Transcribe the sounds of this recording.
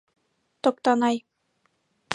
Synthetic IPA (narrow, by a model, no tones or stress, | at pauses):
t̪ŏk̚t̪ɑnɑj